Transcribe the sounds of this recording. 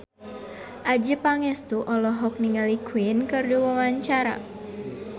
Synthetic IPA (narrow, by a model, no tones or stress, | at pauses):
ʔad͡ʒəpaŋɛst̪uʔɔlɔɦɔk̚niŋalikuɪnkərduwawaɲt͡ʃaɾa̰